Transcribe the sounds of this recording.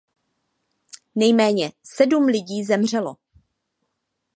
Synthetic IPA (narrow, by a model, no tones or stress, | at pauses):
nɛjmɛːɲɛsɛdumlɪɟiːzɛmr̝ɛlo̞̰